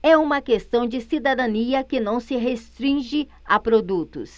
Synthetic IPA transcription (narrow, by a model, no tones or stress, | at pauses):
ɛũmɐkest̪ɐ̃w̃d͡ʒɪsid̪ad̪ɐniɐkɪnɐ̃w̃sɪɦest̪ɾĩʒɪ | apɾod̪ut̪ʊ̰s